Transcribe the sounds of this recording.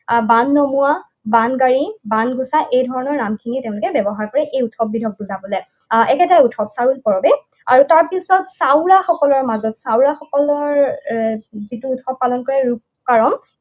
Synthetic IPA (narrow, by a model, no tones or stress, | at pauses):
banːɔmua | banɡaɹibanɡusaʔejdʱɔɹɔnɔɹːamkʰiniteʊ̃lʊkɛbɛbɔɦaɹkɔɹɛʔejutʰɔb̚ːidʱɔb̚tʊzabɔlɛ | ɛkɛtajutʰɔpsaɹulpɔɹɔbɛ | aɹutaɹpisɔtsawʊɹaxɔkɔlɔɹmazɔtsawɹaxɔkɔlɔɹ | zituːtʰɔp̚ːalɔnkɔɹɛɹuk | kaɹɔm